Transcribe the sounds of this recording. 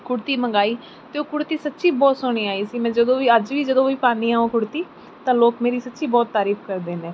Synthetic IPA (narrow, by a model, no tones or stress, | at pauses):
kʊɽt̪iːməɡaːiː | t̪eːoːkʊɽt̪iːsət̪ːʃiːbɔːt̪sʊɳ̃iːaːiːsiːmɛ̃ːd͡ʒəd̪õːʋiːəd͡ʒʋiːd͡ʒəd̪õːʋiːpaːniːɦaːõːkʊɽt̪iː | t̪ãːloːkmeːɾiːsətːʃiːbɔːt̪ːaːɾiːpʰkəɾd̪eːnẽː